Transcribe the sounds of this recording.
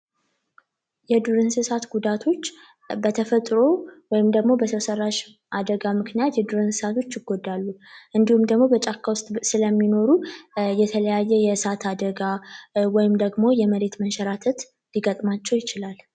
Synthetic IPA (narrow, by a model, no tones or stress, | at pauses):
jɛd̪uɾɨnsɨsat̪ɡud̪at̪ʰo̞t͡ʃː | bət̪ʰəfət̪ʼɾo̞wɔjɪmd̪əɡmo̞bət̪ʰəsərːaʃ | ʔad̪əɡamɨknijat̪jɛd̪uɾɨnsɨ̥sat̪ʰo̞t͡ʃːjɪɡod̪ːalːuʔɨnd̪ihumd̪əɡmo̞bət͡ʃʼakʰːawʊst̪ʼsɨləmːino̞ɾujɛt̪ʰələjajːɛjɛsat̪ʰad̪əɡawɔjɪmd̪əɡmo̞jɛməɾe̞t̪mənʃɛɾat̪ʰət̪ | liɡət̪ʼmat͡ʃːɛwjɪt͡ʃɪlal